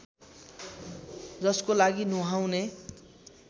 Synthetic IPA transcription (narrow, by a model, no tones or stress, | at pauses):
d͡zʌskolaɡinuɦawne